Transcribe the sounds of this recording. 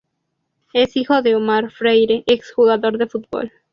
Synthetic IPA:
esixoðeomaɾfɾejɾeʔeksxuɣaðo̞ɾðefut̪̚bo̰l

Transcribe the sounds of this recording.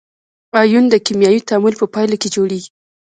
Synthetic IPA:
ɑjund̪əkimjɑjit̪amulpəpɑjlaked͡ʒoɽeɡi̥

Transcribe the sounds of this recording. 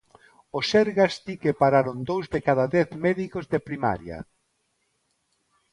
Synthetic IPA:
osɛɾɣast̪ikepaɾaɾond̪owzðekaðaðɛθmɛðikozðepɾima̰ɾja̰

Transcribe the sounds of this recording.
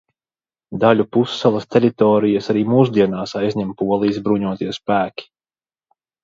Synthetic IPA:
d̪aʎʲupusːalˠɐst̪eɾit̪ɔːɾijasaɾiːmuːs̬d̪iɛnaːsajzʲɲʲɛmpuɔlˠiizbɾuɲuɔt̪iɛspæːkʲi̥

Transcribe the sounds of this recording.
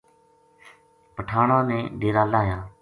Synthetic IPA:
pəʈʰaːɳãːnɛ̃ːɖeːɾaːlaːɦjaː

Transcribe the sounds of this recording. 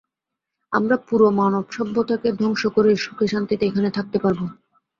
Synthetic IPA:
amɾapuɾomanobʃɔbʱːot̪ʰaked̪ʱɔŋʃokoɾeɾʃu̥kʰeʃant̪it̪eekʰanet̪ʰak̚t̪epaɾbo

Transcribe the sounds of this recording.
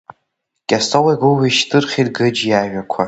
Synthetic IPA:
kʲʼastʰowajɡoɥaʃtʰʼɨrχʲidɡɨd͡ʒjaːʒakʷʰa

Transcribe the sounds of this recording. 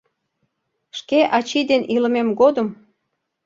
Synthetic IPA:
ʃkeʔɑt͡ɕid̪enilə̆memɡod̪əm

